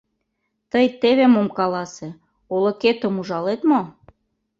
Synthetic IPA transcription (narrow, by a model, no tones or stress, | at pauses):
t̪əjt̪eβemomkɑlɑsĕ | oloket̪ə̆muʒɑlet̪mo